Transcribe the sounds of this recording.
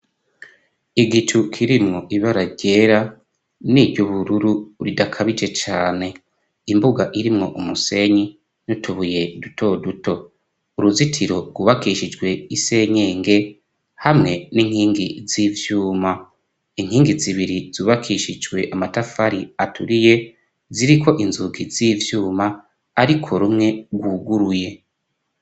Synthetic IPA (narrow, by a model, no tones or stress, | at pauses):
iɡit͡ʃukʰiɾimŋo̞ʔiβaɾaɾɟe̞ɾa | nijoβuɾuɾuɾidakʰaβid͡ʒe̞t͡ʃaːne̞ | imbuɡaʔiɾimŋo̞ʔumuse̞ɲi | nutʰuβujedutʰo̞dutʰo̞ | uɾuzitʰiɾo̞ɡwuβakiʃid͡ʒɡwe̞ise̞ɲe̞ːŋɡe̞ | hamŋe̞niŋ̥hiːŋɡiziːvjuːma | iŋ̥hiːŋɡiziβiɾizuːβakʰiʃid͡ʒɡwe̞ʔamatafaɾiatʰuɾije̞ | ziɾiko̞ʔinzuɡiziːvjuːmaː | ɾikʰo̞ɾumŋe̞ɡwuɡuɾuje̞